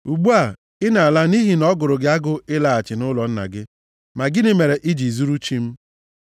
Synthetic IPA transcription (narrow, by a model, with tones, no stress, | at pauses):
u˨ɡ͡bu˦a˨ | ɪ˦na˨a˨la˦ni˦ɦi˨nɔ˦ɡʊ˨ɾʊ˨ɡɪ˦a˦ɡʊ˦ɪ˦la˨a˨t͡ʃɪ˨nʊ˦lɔ˨n̩˦na̰˨ɡɪ˦ | ma˨ɡɪ˦ne˦me˨ɾe˨ʔi˦d͡ʒi˨zu˦ɾu˦t͡ʃi˦m̩˦